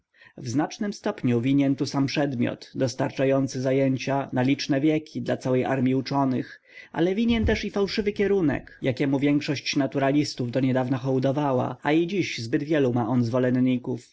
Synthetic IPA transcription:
vznat͡ʂnɘmst̪ɔpɲuvʲiɲɛnt̪usampʂɛd̪mʲjɔ̰t̪d̪ɔst̪aɾt͡ʂajɔnt̪sɘzajɛɲt͡ɕanalʲit͡ʂnɛvʲjɛkʲid̪lat̪sawɛjʔa̰ɾmʲiut͡ʂɔnɘx | ʔa̰lɛvʲiɲɛnt̪ɛʂifawʂɘvɘkʲɛɾunɛ̰kjakʲɛmuvʲjɛŋkʂɔɕt͡ɕnat̪uɾalʲist̪uvd̪ɔɲɛd̪avnaxɔwd̪ɔvawa̰aid͡ʑiɕzbɘd̪vʲjɛlumaʔɔnzvɔlɛnɲːikuf

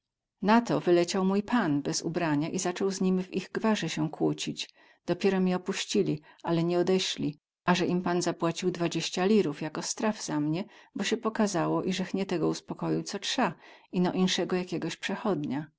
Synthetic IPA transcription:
nat̪ɔvɘlɛt͡ɕawmujpanbɛzṵbɾaɲaʔizat͡ʂɔwzɲimviɣɡvaʐɛɕɛkwut͡ɕid͡ʑ | d̪̥ɔpʲjɛɾɔmʲɛɔpuɕt͡ɕilʲiʔalɛɲɛɔd̪ɛɕlʲi | ʔaʐɛʔimpanzapwat͡ɕiwd̪vad͡ʑeɕt͡ɕalʲiɾufjakɔst̪ɾavz̥amɲɛbɔɕɛpɔkazawɔʔiʐɛxɲɛt̪ɛɡɔuspɔkɔjit̪sɔtʂainɔʔinʂɛɡɔjakʲɛɡɔɕpʂɛxɔd̪ɲa

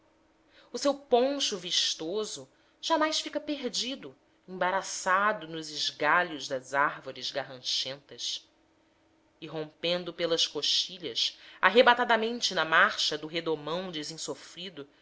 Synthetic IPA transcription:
ʊsewpõʃuviʃt̪ozʊ | ʒ̥amajsfikɐpeɾd͡ʒid̪ʊ | ẽbaɾasad̪ʊnʊzɪʒɡaʎʊʒd̪ɐzaɾvoɾɪzɡaɦɐ̃ʃẽnt̪ɐs | ɪɦõmpẽnd̪ʊpelɐskoʃt͡ʃiʎɐsa̰ɦebat̪ad̪ɐmẽnt͡ʃɪnɐmaɾʃɐd̪ʊɦed̪omɐ̃w̃d͡ʒɪzĩsofɾid̪ʊ

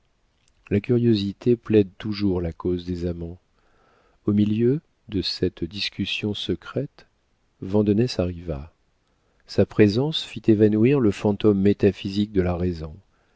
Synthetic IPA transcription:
lakʲyʁjozit̪eplɛd̪t̪uʒuʁlakozd̪ezamɑ̃ | omiljø | d̪əsɛt̪d̪iskʲysjɔ̃səkχɛt̪ | vɑ̃d̪ənɛsaʁiva̰ | sapχezɑ̃sfit̪evanuiʁləfɑ̃t̪omːet̪afizik̚d̪əlaʁezɔ̃

